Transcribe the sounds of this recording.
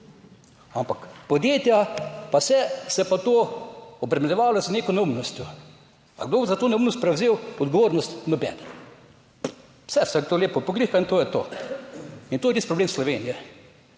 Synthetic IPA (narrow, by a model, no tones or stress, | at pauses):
ampakpɔd̪jeːt̪japasɛsɛpat̪oːɔbɾɛmɛlʲɛʋaːlɔzneːkonumnɔst̪jɔ | a̰ɡd̪oːbzat̪oːnɛumnɔst̪pɾɛwzeːwɔd̪ɡoʋoːɾnɔst̪nɔbɛ̰ːdn | w̥sɛsɛkt̪oːleːpɔpɔɡliːxaint̪oːjɛt̪o̰ː | int̪oːjɛt̪is̚pɾɔbleːmslɔʋenijɛ